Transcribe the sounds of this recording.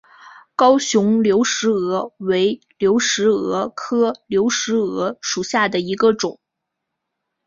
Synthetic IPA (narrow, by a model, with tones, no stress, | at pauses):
kɑ˥ʊɕʊ˧˥ŋljo˧˥ʊʂɻ̩˧˥ɤ˧˥we˧˥ɪ | ljo˧˥ʊʂɻ̩˧˥ɤ˧˥kʰɤ˥ljo˧˥ʊʂɻ̩˧˥ɤ˧˥ʂu˨˩ɕja˥˩d̪ə˩i˧˥ɡə˧ʈ͡ʂʊ˨˩˦ŋ